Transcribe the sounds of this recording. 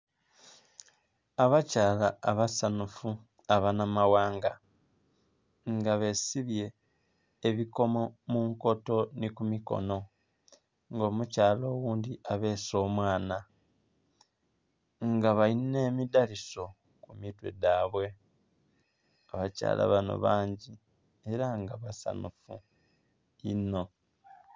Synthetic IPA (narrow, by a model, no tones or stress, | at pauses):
aβacaːlaːβasanufu | aβanamawaːŋɡa | ŋɡaβe̞siβje̞ː | βiko̞momuŋko̞to̞nikumiko̞̰no̞ | ŋɡo̞ːmucaːlo̞ːwuːnd̪iʔaβe̞ːso̞ːmwaːna | ŋɡaβaine̞ːmidaliso̞ | kumitwe̞̰daβwe̞ | aβaca̰ːlʔa̰βano̞̰βaːɲɟi | e̞ɾaŋɡaβasa̰nufṵ | ino̞